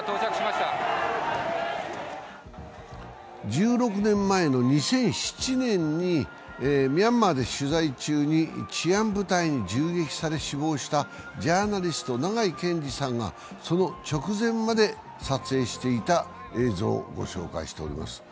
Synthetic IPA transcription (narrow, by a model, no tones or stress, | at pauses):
a | d͡ʑɨːɾo̞kɯ̟nẽ̞mːae̞no̞ɲ̟isẽ̞ɰ̃ɕi̥t͡ɕinẽ̞ɲːi | mʲiamːad̪e̞ɕɨzait͡ɕɨːɲ̟it͡ɕiãmbɯ̟t̪aiɲ̟id͡ʑɨːɡe̞kʲi̥saɾe̞ɕibo̞ːɕi̥t̪a | d͡ʑaːnaɾʲisɨ̥t̪o̞naɡaikẽ̞ɲd͡ʑisãŋɡa̰ | so̞not͡ɕo̞kɯ̟zẽ̞mmad̪e̞ | sat͡sɨe̞ːɕi̥t̪e̞it̪a | e̞ːzo̞̰ːɡo̞̰ɕo̞̰ːka̰ḭɕi̥t̪e̞oɾʲḭma̰sɨ̥